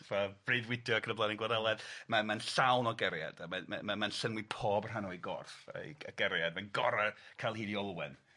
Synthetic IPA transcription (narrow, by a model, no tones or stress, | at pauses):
fabredwɪdjɔakʰənəblaninɡwaɾɛlˠɛdmamanɬawnɔɡɛɾja̰d̥amamamamanɬənwipʰoːbr̥anɔiɡɔ̰rfə̰a̰ɡ̥ɛɾjad̚manɡɔɾakʰalˠhiːðiɔlˠwɛn